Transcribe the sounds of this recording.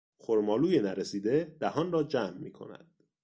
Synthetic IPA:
xoɾmɒːluːjenæɾesiːd̪e̞d̪̥æhɒːnrɒːd͡ʒæmːiːkʰo̞̰næ̰d̪̥

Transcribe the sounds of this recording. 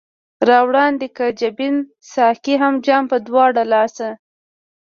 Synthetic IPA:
ɾɑwɽɑnd̪ekad͡ʒabin | sɑhkiɦamd͡ʒɑmpəd̪wɑɽalɑsa

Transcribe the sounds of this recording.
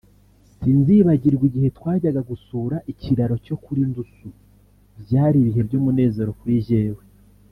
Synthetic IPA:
sinziβaɟiɾɡwiɟihe̞twaːɟaɡaɡusuːɾaʔiciɾaɾo̞co̞kuɾindusu | bjaːɾiβiɦe̞bɟoːmune̞ːze̞ɾo̞kuɾiʒe̞ːwe

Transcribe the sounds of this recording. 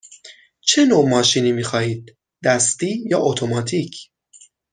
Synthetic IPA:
t͡ʃʰe̞noːmɒːʃiːniːmiːxɒːhiːd̪̚ː | æst̪iːjɒ̰ːʔot̪ʰomɒːt̪ʰiːcʰ

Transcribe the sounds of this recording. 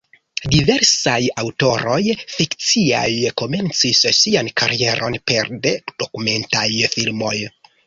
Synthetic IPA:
dive̞ɾsajawto̞ɾo̞jfikt͡sia̰jko̞me̞nt͡sissiankʰaɾʔie̞ɾʔo̞npe̞ɾde̞d̥o̞kume̞ntajfilmo̞j

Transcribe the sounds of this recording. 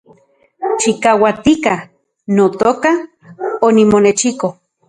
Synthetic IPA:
t͡ʃikawat̪ika | not̪oːka | onimonet͡ʃiko

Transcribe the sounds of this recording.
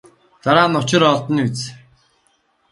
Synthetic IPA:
t͡s̪aɾaːnʊt͡ɕɪ̆ɾɔɮt̪ɞ̆net͡s

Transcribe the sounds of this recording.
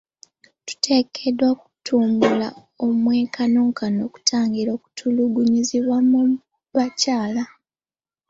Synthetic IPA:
tu̥tʰe̞kʰedwoku̥tuːmbula | o̞mwe̞ːkanoːŋkʰano̞ku̥tʰaːŋɡiɾo̞ku̥tʰuluɡuɲiziβwamu | βacaːla

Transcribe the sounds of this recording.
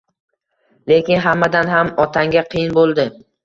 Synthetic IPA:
le̞kʲɪnɦamːad̪anɦamɒt̪ʰaŋɡʲaqʰɨjɪnbolˠd̪ɪ

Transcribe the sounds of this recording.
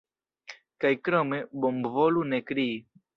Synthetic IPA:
kajkɾomebombvolunekɾii

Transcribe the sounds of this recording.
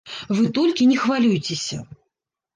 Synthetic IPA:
vɨt̪ɔlʲkʲinʲɛxvalʲujt͡sʲesʲɐ

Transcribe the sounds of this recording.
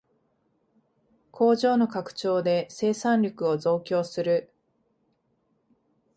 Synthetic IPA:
kʰo̞ːʑo̞ːno̞kakɯ̟̥t͡ɕo̞ːd̪e̞se̞ːsãnɾʲo̞kɯ̟o̞zo̞ːkʲo̞ːsɨɾɯ̟

